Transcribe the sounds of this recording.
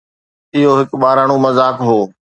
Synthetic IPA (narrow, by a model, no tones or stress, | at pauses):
ɪɦoɦɪkɓaːɾaɽ̃ũmɐzaːkɦoː